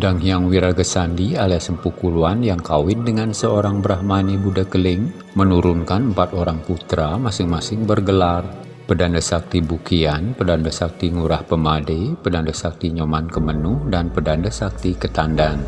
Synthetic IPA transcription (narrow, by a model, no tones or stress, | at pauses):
daŋɦiaŋwiɾaɡəsandialasəmpukuluanjaŋkawɪndəŋansəoɾaŋbəɾahmanibudakəlɪŋ | mənuɾunkanəmpat̪oɾaŋput̪ɾamasɪŋmasɪŋbərɡəlar | pədandəsak̚t̪ibukianpədandəsak̚t̪iŋuɾahpəmadepədandəsak̚t̪iɲomankəmənuhdanpədandəsak̚t̪ikət̪andan